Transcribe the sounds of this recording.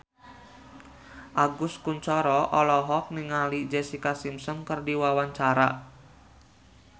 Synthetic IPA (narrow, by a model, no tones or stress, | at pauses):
ʔaɡʊskuɲt͡ʃɔɾɔʔɔlɔɦɔk̚niŋalid͡ʒesikasimsɔnkərdiwawaɲt͡ʃaɾa̰